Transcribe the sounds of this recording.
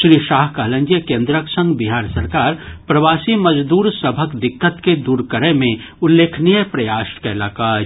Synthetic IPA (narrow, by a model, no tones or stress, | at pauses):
ʃɾiːʃaːɦkɐɦlə̃ɲd͡ʒjəkẽːnd̪ɾəksə̃ŋɡbɪɦaːɾsɐɾkaːɾpɾɐʋaːsimɐd͡ʒd̪uːɾsəbʱəkd̪ɪkːət̪ked̪uːɾkəɾẽmẽ | ʊlːeːkʰnijəpɾɐjaːʃkaɪlaːkaː